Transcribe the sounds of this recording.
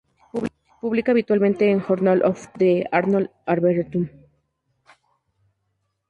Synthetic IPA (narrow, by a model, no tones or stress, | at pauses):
puβlikaːβit̪walment̪eːŋxoɾnalʔofd̪eaɾnolaɾβeɾt̪um